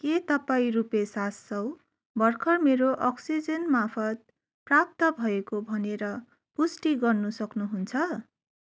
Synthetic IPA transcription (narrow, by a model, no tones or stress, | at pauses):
ket̪ʌpaĩɾupesasːʌw̃ | bʌrkʰʌmeɾoʔʌksid͡zʌnmapʰʌt̪̚ | prap̚t̪ʌbʱʌekobʱʌneɾʌ | pusʈiɡʌrnusʌknuɦunt͡sʰʌ